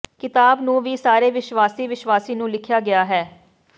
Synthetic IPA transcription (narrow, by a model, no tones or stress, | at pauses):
kɪt̪aːbnũːʋiːsaːɾeːʋɪʃwaːsiːʋɪʃʋaːsiːnũːlɪkʰjaːɡɪjaːɦɛː